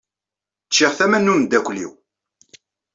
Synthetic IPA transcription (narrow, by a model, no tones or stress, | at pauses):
t͡ʃːiʁθæmænːumd̪ækʷlḭw